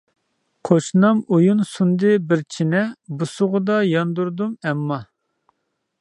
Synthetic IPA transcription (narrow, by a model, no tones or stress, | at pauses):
qʰoʃnɑmujunsund̪ɨbɪɾt͡ʃʰinɛbusʊʁʊd̪ɑjɑnd̪uɾd̪umɛmːɑ